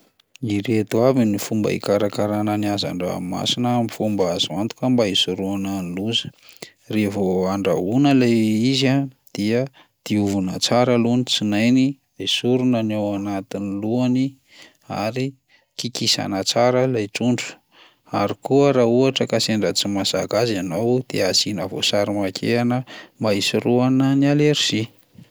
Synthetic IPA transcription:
iɾet̪uavinifumba̰ḭkaɾakaɾananiaza̰ɳɖ͡ʐaa̰mima̰sinəamifumbaazimant̪u̥kəmbaisuɾuananiluzə̥ | revoaɳɖ͡ʐa̰unəlajizad̪̥iə | d̪̥iuvunət͡saɾəlunit͡sinajni | ajsuɾunənawanat̪iniluani | a̰ɾi | kikisa̰nət͡saɾəlajʈ͡ʂuɳɖ͡ʐu̥ | aɾikuəɾauaʈ͡ʂəkaseɳɖ͡ʐət͡simasa̰kazanawd̪̥eazinəvo̰saɾimakʰeanəmaisiruananialeɾisi

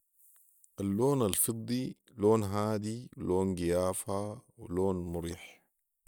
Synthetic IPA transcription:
ʔalːoːnalfɨd̪ˤːi | loːnɦaːd̪iwloːnɡijaːfhawiloːnmʊɾiːħ

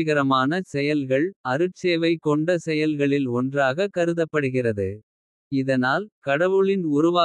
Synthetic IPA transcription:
ɣɐɾɐmaːnɐsɛjɐlɣɐɭɐɾɯʈt͡ʃeːʋɐɪkːɔɳɖɐsɛjɐlɣɐɭɪlɔndraːɣɐkːɐɾɯðɐpːɐɽɯɣɪrɐðɯ | ɪðɐnaːlkɐɽɐʋɯɭɪnʊɾʊʋaː

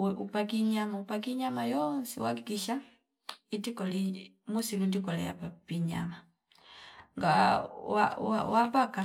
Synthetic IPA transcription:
upak̬iɲamaupaɡiɲamajɔnsiwakiɡiʃa | idikɔli | musilundikɔlɛ̰ja̰papiɲa̰ma | ŋɡawa̰wa̰wapaka

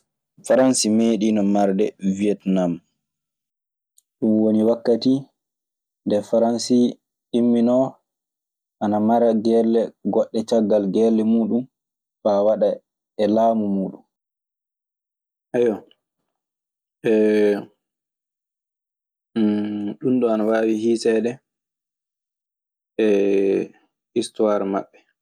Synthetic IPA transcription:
faɾansimeɗinɔmaɾdɛviɛtnam | ɗumwoniwakːati | ndɛfaɾansi | imːinɔ | ʔanamaɾaɡɛlːɛɡɔɗːɛt͡ʃaɡːalɡɛlːɛmuːɗum | fawaɗa | ɛlaːmumuːɗum | ʔajɔ | ɛ | ɗunɗɔanawaːwihiːsɛɗɛ | ɛ | istuaɾma̰ɓːɛ

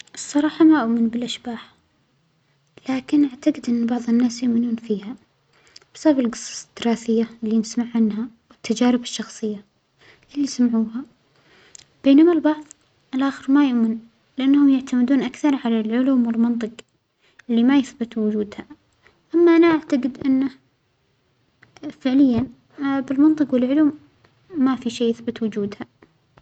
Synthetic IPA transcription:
ʔɨsˤːɑɾˤɑːħɑmaʔʊʔmɪnbɪlʔaʃbaːħ | laːkɪnʔaʕt̪aɡɪd̪ʔɪnːbɑʕðˤɪnːaːsjʊʔmɪnuːnfiːha | bsabbalɡɨsˤːɑ̥sd̪̥ɨɾɑːθɪjːaʔɪlːinɪsmaʕːanɦawɪt̪ːad͡ʒaːɾɪbɪʃːɑxsˤɨjːa | ʔɪlːisamʕuːha | b̥eːnamalbɑʕðˤ | ʔɪlʔaːxɪɾmajʊʔmɪn | lɪʔanːhʊmjaʕt̪amɪd̪uːnʔakθɑɾˤʕalalʕʊluːmwɪlmɑnt̪ˤɨq | ɪlːimajɪθbɪt̪wʊd͡ʒuːd̪ha | ʔamːaʔanaʔaʕt̪aɡɪd̪ʔɪnːa | fɪʕlɪjːan | bɪlmɑnt̪ˤɨqwɪlʕʊluːmː | afiʃeːɪθbɪt̪wʊd͡ʒuːd̪ha

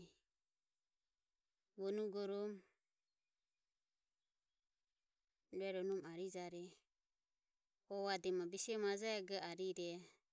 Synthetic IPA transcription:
βɔnuɡɔɾɔm | ɾuɛɾɔnɔmaɾid͡ʒaɾɛ | ɔβadɛmabisiɔmad͡ʒaɛɡɛaɾiɾɛ

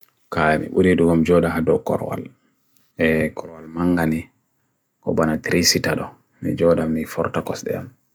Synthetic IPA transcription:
kamḭɓuɾiduɡɔmd͡ʒɔɗaɦadɔkɔ̰ɾwa̰l | ɛkʰɔɾwalmaŋɡani | kɔ̰banatɾisitaɗɔ | mḭd͡ʒɔɗamnifɔɾtakɔsɗɛ̰ja̰m

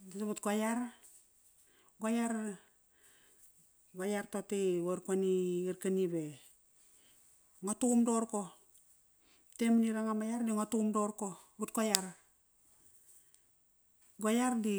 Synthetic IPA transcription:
daβut̚kwajaɾ | ɡajaɾ | ɡajaɾtotiwoɾkwaniiɾkanibe | ŋotumdoɾko | temniɾaŋamajaɾdiŋotumdoɾkobut̚kajaɾ | ɡajaɾdi

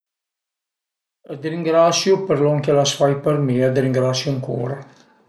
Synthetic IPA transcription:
ad̪ɾiŋɡɾasjupəɾlɔŋkelasfajpəɾmiad̪ɾiŋɡɾasjuaŋkṵːɾa

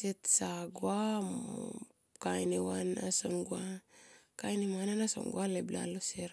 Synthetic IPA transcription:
setsaɡwamo | kajnewanasonɡwakajnemananaso̰nɡualebla̰loseɾ

